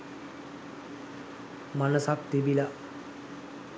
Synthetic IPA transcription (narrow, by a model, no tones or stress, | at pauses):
manəsak̚t̪ibila